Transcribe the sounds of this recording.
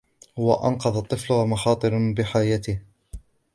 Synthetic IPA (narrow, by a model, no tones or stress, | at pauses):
waʔa̰nqɑðˤɑt̪ˤːɨflʊhmɑxɑːt̪ˤɨɾbɪħaːjat̪ɪh